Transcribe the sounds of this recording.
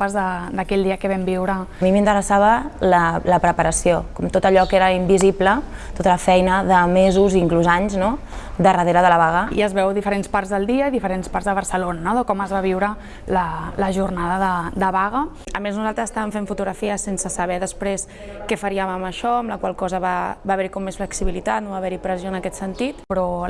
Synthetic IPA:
pazðəd̪əkɛʎd̪iəkəβɛmbiwɾəmimint̪əɾəsaβələləpɾəpəɾəsiokɔmt̪ot̪əʎɔkeɾəimbiziplə | t̪ot̪ələfɛjnəðəmezuziŋkluzaɲzno | d̪ərəðeɾəðələβaɣəḭəzβɛwðifəɾenspaɾzðəlˠd̪iəiðifəɾensparzðəβ̞ərsəlonənɔðəkɔməzβaβiwɾə | lələʒurnaðəðəd̪əβaɣə | əmeznuzalˠt̪ɾəzəst̪aβəɱfeɱfut̪uɣɾəfiəsensəsəβɛðəspɾes | kɛfəɾiəməməʃɔəmləkwalˠkɔzəβabaβɛɾikɔmːesfləksiβilit̪at̪noβaβɛɾipɾəzioənəkɛt̪sənt̪it̪pɾɔ

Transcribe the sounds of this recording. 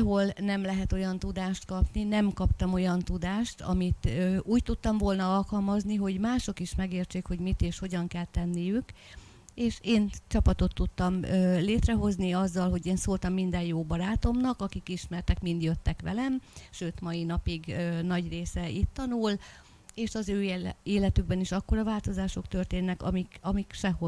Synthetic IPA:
ɦo̞lnɛmlɛɦɛt̪o̞jɒnt̪ud̪aːʃt̪kɒpninɛmkɒpt̪ɒmo̞jɒnt̪ud̪aːʃt̪ɒ̰mit̪øuːct̪ut̪ːɒmvo̞lnɒɒlkɒlmɒzniɦo̞ɟmaːʃo̞kiʃmɛɡeːrt͡ʃeːkho̞ɟmit̪eːʃho̞ɟɒŋkɛlt̪ɛnːijyk | eːʃeːnt͡ʃɒpɒt̪o̞t̪ːut̪ːɒmøleːt̪rɛɦo̞zniɒzːɒlɦo̞ɟeːnsoːlt̪ɒmːind̪ɛjjoːbɒɾaːt̪o̞mnɒkɒkikiʃmɛrt̪ɛkmind̪jøt̪ːɛkʋɛ̰lɛmʃøːt̪mɒjinɒpiɡønɒɟreːsɛit̪ːɒnul | eːʃɒzøːeːlɛt̪yɡ̚bɛniʃɒkːo̞ɾɒvaːlt̪o̞zaːʃo̞kt̪ø̞rt̪eːnːɛkɒmikɒmikʃɛho

